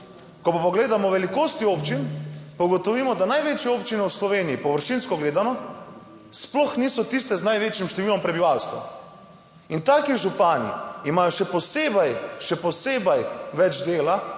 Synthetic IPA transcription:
kɔpapɔɡleːd̪amɔʋɛlikoːst̪ioːpt͡ʃinpawɡɔt̪ɔʋiːmɔd̪anajʋeːt͡ʃjɛoːpt͡ʃinɛwslɔʋeːnijipɔʋəɾʃinskɔɡleːd̪anɔ | splɔxniːsɔt̪ist̪ɛznajʋeːt͡ʃjimʃt̪ɛʋiːlɔmpɾɛbiʋalst̪ʋa̰ | int̪aːkiʒupaːnḭimaːjɔʃɛpɔseːbajʃɛpɔseːbajʋɛd͡ʒd̪eːla

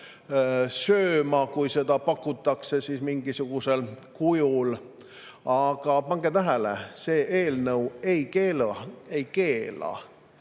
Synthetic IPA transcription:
søːmɑkujse̞d̪̥ɑpɑkːˑut̪ːˑɑkse̞siːsmiŋɡ̥isuɡ̥use̞lkujul | ɑɡ̥ɑpɑŋɡ̥et̪æɦælḛse̞ːʔeːlnɤwe̞jkeːlɑejke̞ːlɑ̰

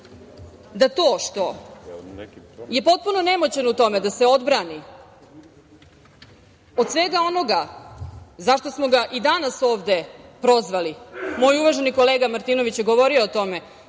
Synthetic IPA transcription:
d̪at̪o̞ːʃt̪o̞ | je̞po̞t̪̚puno̞nemot͡ɕenout̪o̞med̪aseo̞d̪bɾani | od̪sʋeɡao̞no̞ɡa | zaʃt̪o̞smo̞ɡaʔid̪anasoːʋd̪e̞pɾo̞zʋalimo̞ːjuʋaʒeniko̞leːɡamaɾt̪ino̞ʋit͡ɕjeɡoʋo̞ɾioːt̪o̞me

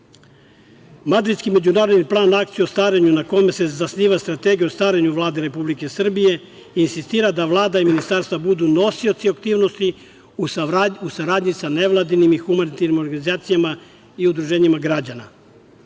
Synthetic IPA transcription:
mad̪ɾid̪skime̞d͡ʑunaːɾo̞d̪niplˠaːnakt̪sijuost̪ʋaːɾeɲunako̞me̞se̞zasniːʋast̪ɾat̪e̞ɡiuost̪ʋaːɾeɲuʋlˠaːd̪e̞ɾe̞publike̞sr̩bije̞ | insist̪iːɾad̪aʋlˠaːd̪aiminist̪aːɾst̪vabud̪uno̞siot̪siakt̪iːʋno̞st̪i | uusaɾaːd̪ɲisane̞ʋlˠad̪inimixumanit̪aɾnimo̞ɾɡanizaːt̪sijama | iud̪ɾuʒe̞ːɲimaɡɾad͡ʑana̰

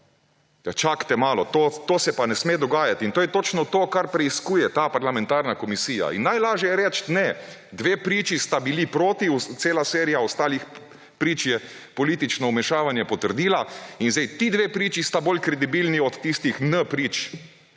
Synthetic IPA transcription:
jat͡ʃakt̪ɛmaːlɔt̪oːt̪oːsɛpanɛsmeːd̪ɔɡaːjat̪int̪oːjɛt̪oːt͡ʃnɔt̪oːkaɾpɾɛiskuːjɛt̪apaɾlamɛnt̪aːɾnakɔmisiːja̰ḭnːajlaːʒjɛjɛɾɛt͡ʃt̪nɛ | d̪ʋeːpɾiːt͡ʃist̪abilipɾoːt̪iut̪seːlaseːɾijaɔst̪aːlix | pɾiːt͡ʃjɛ | pɔliːt̪it͡ʃnɔumɛʃaːʋanjɛpɔt̪əɾd̪iːlainzd̪ɛjt̪id̪ʋeːpɾiːt͡ʃist̪aboːlkɾɛd̪ibiːlniɔt̪ːist̪ixnəpɾiːt͡ʃ

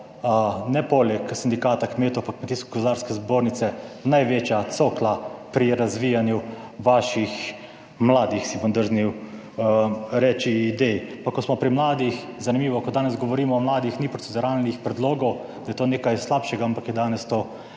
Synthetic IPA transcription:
nɛpolɛksind̪ikaːt̪akmeːt̪ɔwpakmet̪iːsko̥ɡozd̪aːɾskɛzboːɾnit̪sɛnajʋet͡ʃjat̪soːklapɾiɾazʋiːjanjuʋaːʃix | mlaːd̪ixsibɔnd̪əɾzniw | ɾɛːt͡ʃiːd̪ejpakːɔsmɔpɾimlaːd̪ix | zanimiːʋɔkɔd̪aːnɛzɡɔʋɔɾiːmɔːmlaːd̪ixnipɾotsɛd̪uɾalnixpɾɛd̪loːɡɔw | d̪ajɛt̪oːneːkajslapʃɛɡaampakjɛd̪aːnɛst̪oː

